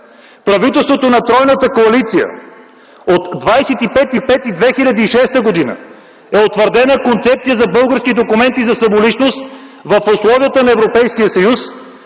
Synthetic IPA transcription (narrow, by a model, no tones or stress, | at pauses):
pɾɐvit̪ɛlˠst̪vot̪onɐt̪ɾɔjnət̪əkoɐlit̪sijə̰ | ot̪ːvajsɛt̪ipɛt̪ipɛt̪id̪vɛxilʲɐd̪iːʃɛst̪əɡod̪inə̰ | ɛot̪vəɾd̪ɛnəkont̪sɛp̚t̪ijəzɐbɤlˠɡəɾskid̪okumɛnt̪izɐsɐmolit͡ʃnost̪vəfʊslˠɔvijət̪ənɐɛvɾopɛjskijəsɐjus